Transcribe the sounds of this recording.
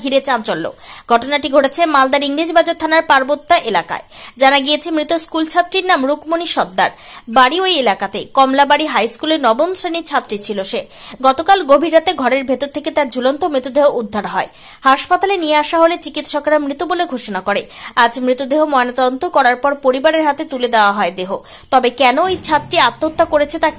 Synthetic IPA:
ɡʱiɾet͡ɕant͡ɕolːo̰ɡ̥ʱɔʈonaʈiɡʱoʈet͡ɕʰemald̪aɾiŋlid͡ʑbad͡ʑot̪ʰːanaɾpaɾbot̪ːaʔelaka̰ed͡ʑanaɡiet͡ɕʰemɾit̪oskult͡ɕʰat̪ːɾiɾnamɾukmoniʃɔd̪ːaɾ | baɽiojelakat̪ekɔmlabaɽiɦajskuleɾnɔbomsɾaniɾt͡ɕʰat̪ːɾit͡ɕʰiloʃe | ɡɔt̪okalɡobʱiɾːat̪eɡʱɔɾeɾbʱet̪oɾt̪ʰeket̪aɾd͡ʑʱulont̪omɾit̪od̪eɦoud̪ʱːaɾɦɔe | haʃpat̪alenijeaʃaɦolet͡ɕikit̪ʃɔkɾamɾit̪oboleɡʱoʃonakoɾead͡ʑmɾit̪od̪eɦomɔenat̪ɔd̪ont̪okɔɾaɾpɔɾpoɾibaɾeɾɦat̪et̪uled̪eoaɦɔed̪eɦo | t̪ɔbekɛnoejt͡ɕʰat̪ːɾiat̪ːot̪ːakoɾet͡ɕʰet̪a

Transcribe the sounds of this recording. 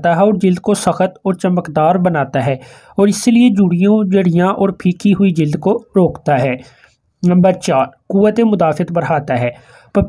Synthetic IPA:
t̪aɦɛɔːɾd͡ʒɪld̪kosɐxət̪ɔːɾt͡ʃɐməkd̪aːɾbənaːt̪aɦɛː | ɔːɾɪslied͡ʒʊɽijõd͡ʒəɽijãʔɔːɾpʰiːkʰiɦʊid͡ʒɪld̪koɾoːkt̪aɦɛː | nɐ̃mbəɾt͡ʃaːɾkuːʋət̪emʊd̪aːfɪət̪bəɾɦaːt̪aɦɛː | pɐ

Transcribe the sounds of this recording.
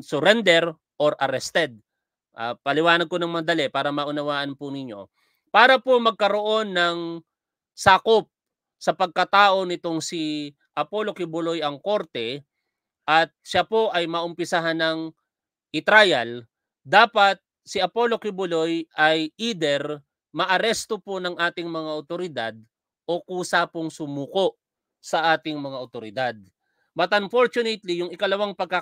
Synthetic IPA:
sʊɾɛnd̪ɛɾ | ʔoɾʔɐɾɛst̪ɛd̪̚ | ʔa̰pɐlɪwaːnɐɡ̪̚konɐŋmɐɐd̪ɐlɛpaːɾɐmɐʔʊnɐwaːʔɐnpʊnɪɲːo̞̰ | paːɾɐpomɐɡ̚kɐɾo̞ʔo̞nːɐŋ | saːkop̚ | sɐpɐɡ̚kɐt̪aːʔo̞nɪt̪o̞ŋsi | ʔɐpo̞lo̞kɪbʊlojɐŋko̞ɾt̪ɛ | ʔɐt̪̚ʃapo̞ʔɐjmɐʔʊmpɪsaɦanɐŋ | ʔɪt̪ɾajɐl | d̪aːpɐt̪̚ | sɪʔɐpo̞lo̞kɪbʊlo̞jʔɐjʔid̪ɛɾ | mɐʔɐɾɛst̪o̞po̞nɐŋʔaːt̪ɪŋmɐŋaʔot̪oɾɪd̪ad̪̚ | ʔo̞kuːsapoŋsʊmuːko̞ʔ | sɐʔaːt̪ɪŋmɐŋaʔot̪oɾɪd̪ad̪̚ | bɐt̪ɐmfoɾt͡ʃʊnɛt̪lijʊŋɪkɐlɐwaŋpɐɡ̚ka

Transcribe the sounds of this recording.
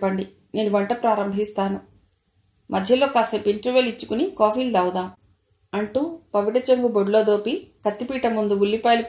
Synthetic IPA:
pɐɳɖi | ne̞ːnuʋɐɳʈɐpɾaːɾɐmbʱist̪aːnu | mɐd̪ʱjɐloːkaːsepiɳʈɾuʋeːlit͡ʃːu̥kunikoːfiːld̪ɐwd̪aːm | ɐɳʈuːpɐʋiʈɐt͡ʃeŋɡuboɖlo̞ːd̪o̞ːpikɐt̪ːipiːʈɐmund̪uulːipaːlip

